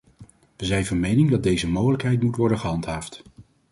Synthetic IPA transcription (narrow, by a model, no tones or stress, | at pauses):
ʋəzɛjnvɑnmejnɪŋdɑd̚dejzəmowχələkɦɛjtmutʋɔɹdəχəɦɑntɦaːft